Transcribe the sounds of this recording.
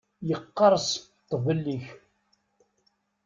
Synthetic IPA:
jəqːɑɾˤst̪ːvəlːiç

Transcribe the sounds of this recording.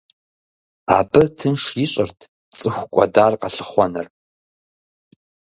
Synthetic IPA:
a̰ːbɨtʰɨnʂjiɕʼɪrtʰ | t͡sʼɨxʷkʷʼɔ̰daːrqɐɬɨχʷɔnɨr

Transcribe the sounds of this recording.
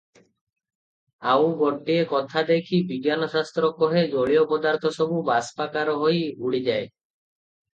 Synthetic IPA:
awɡoʈːiekɔt̪ʰad̪ekʰibiɡːjanoʃast̪ɾɔkɔɦed͡ʑoɭiopɔd̪aɾt̪ʰɔʃɔbubaspakaɾoɦojuɽid͡ʑae

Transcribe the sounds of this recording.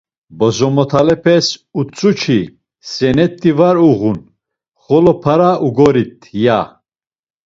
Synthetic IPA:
bɔzɔmɔt̪ʰalɛpʰɛsut͡sʼut͡ʃʰi | sɛnɛt̪ʼːivaɾuɣun | χɔlɔpʰaɾauɡɔɾit̪ʰja

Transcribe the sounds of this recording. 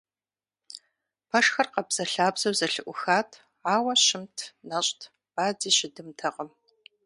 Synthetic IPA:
pʰɐʂxɐrqɐbz̥ɐɬaːbzɐwzɐɬɨʔʷʊxaːtʰ | ʕaːwɐʃɪmtʰnɐɕʼtʰ | b̥aːd͡ziːɕɪdɨmtʰɐqəm

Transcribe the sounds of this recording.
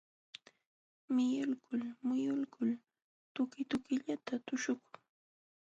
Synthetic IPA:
mɪjʊlkʊlmʊjʊlkʊl | t̪ʊkɪt̪ʊkɪʎat̪at̪ʊʃʊkʊŋ

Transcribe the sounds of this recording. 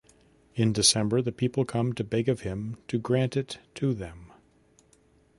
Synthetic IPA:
ɨ̃ndɨsɛ̃mbə˞ðɨpʰipl̩ˠkʰʌ̃mtʰɨbɛɡʌv̥ɪ̃mtʰɨɡɹæ̃ntɨtʰɨðɨ̃m

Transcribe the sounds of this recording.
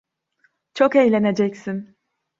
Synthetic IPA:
t͡ʃʰo̞kejlʲe̞ne̞d͡ʒɛcsin

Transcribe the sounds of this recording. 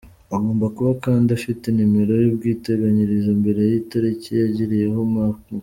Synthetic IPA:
aɡo̞ːmbakuβakaːndiafitinimeɾo̞jub̚ɡiːte̞ɡaɲiɾizambe̞ɾe̞jitaɾicijaɟiɾije̞ɦoma

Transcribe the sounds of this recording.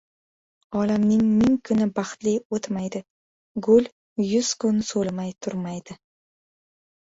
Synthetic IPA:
ɒlamnɪŋmɪŋkʰʊnɪbɑχt̪liot̪majd̪ɪ | ɡʊl | jʊz̥kʰʊnsolmajt̪ʰʊɾmajd̪ɪ

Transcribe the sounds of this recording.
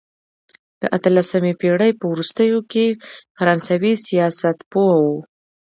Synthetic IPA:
d̪̥əʔat̪əlasamepeɽəjpəwɾust̪əjokefaɾɑnsawisijɑsat̪poawu

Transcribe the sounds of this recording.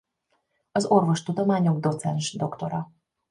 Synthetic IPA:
ɒzo̞rvo̞ʃt̪ud̪omaːɲo̞ɡd̪o̞t̪sɛnʒd̪o̞kt̪o̞ɾɒ

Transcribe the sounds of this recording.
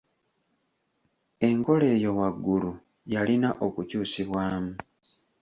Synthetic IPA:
e̞ŋko̞le̞ːjo̞waɡːulu | jalinaʔo̞kucuːsiβwaːmu

